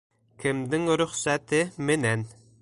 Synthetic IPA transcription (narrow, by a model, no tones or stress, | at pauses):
kʲʰɪmd̪ɪŋɾøχsɛt̪ʰɪmɪnɛn